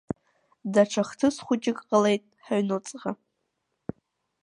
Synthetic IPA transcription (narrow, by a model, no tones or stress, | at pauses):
daʈ͡ʂʰaχtʰɨsχʷʊt͡ʃʼɪkʼqʼəle̞jtʼħaɥnɨt͡sʼʁa